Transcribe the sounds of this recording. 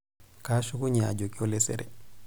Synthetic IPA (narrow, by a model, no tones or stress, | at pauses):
kaʃukuɲa̰ɟokiolɛsɛ̰ɾɛ̰